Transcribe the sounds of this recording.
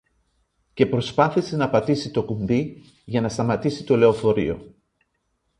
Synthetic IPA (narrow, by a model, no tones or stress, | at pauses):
ce̞pɾo̞spɐθise̞nɐpɐt̪isit̪o̞kumbi | ʝɐnɐst̪ɐmɐt̪isit̪o̞le̞o̞fo̞ɾḭo̞̰